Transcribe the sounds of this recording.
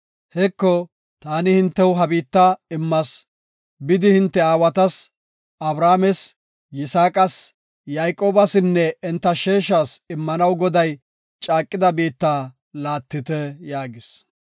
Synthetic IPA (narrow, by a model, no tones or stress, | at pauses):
hɛkːɔ | t̪aːnɪhɪnt̪ːɛwɦɐbiːt̪ːaɪmːɐs | bɪd̪ɪhɪnt̪ːɛaːwɐt̪ɐs | ɐbɾaːmɛs | jɪsaːkʼɐs | jajkʼoːbɐsɪnːɛɛnt̪ːɐʃeːʃaːsɪmːɐnɐwɡɔd̪ɐj | t͡ʃʼaːkʼːɪd̪ɐbiːt̪ːaː | laːt̪ːɪt̪ɛjaːɡɪs